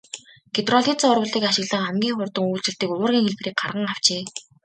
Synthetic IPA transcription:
ɡ̥et̪rɔɮiːt͡saʊrʊ̆ɮiːkaʃɪ̆ɣɮə̆ŋχæmɡʲiːŋχʊrt̪ə̆ŋuːɮt͡ɕɪ̆ɬt̪iːkʊwʊːrɣʲiːŋxeɮpriːk̚ɢarʁə̆ŋaw̥t͡ɕeː

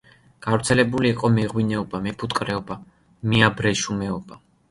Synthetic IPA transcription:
ɡ̥avɾt̪sʰɛlɛbuliːqʼɔmɛʁwinɛɔbamɛpʰut̪ʼkʼɾɛɔba | miabɾɛʃumɛɔba

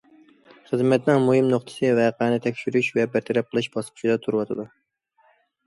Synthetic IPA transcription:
χəzmɛt̪nɪŋmuhɨmnoχt̪ʰɨ̥sɨvɛqʰæːnɪt̪ʰɛkʲʃyɾyʃvɛbæɾt̪ʰɛɾɛp̚qʰəlˠɨʃbɑsqʰʊ̥ʃid̪ɛt̪ʰuɾwɑt̪ʰɨd̪u

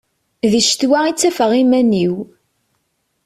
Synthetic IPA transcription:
ðiʃt̪wæit͡sːæfəʁimæniw

